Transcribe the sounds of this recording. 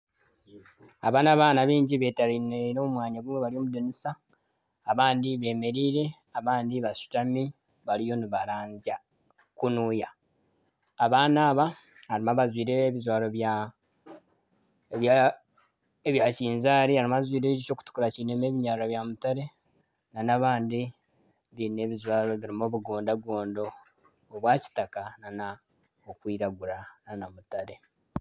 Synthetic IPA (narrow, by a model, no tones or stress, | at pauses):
aβaːnaβaːnaβiːɲɟiβe̞ːtaɾineɾoːmumwaːɲaɡumweβalio̞ːmudunisaː | βaːndiβe̞ːme̞ɾiːɾe̞ | aβaːndiβasu̥tami | βalijo̞neβaɾaːɲzja | kunuːja | βaːnaːβa | haɾimaβazwiːɾeβizwaːlo̞βja | a | eβjaciːnzaːɾihaɾimazwiːɾeɟit͡ʃo̞ːku̥tu̥kuɾacinemeβiɲaːɾaβjamutaɾe̞ | nanaβaːndi | βine̞ːβizwaːɾo̞βiɾimo̞ːβuɡoːndaɡo̞ːndo̞ː | βwaːci̥takanana | okwiːɾaɡuɾananamutaɾe̞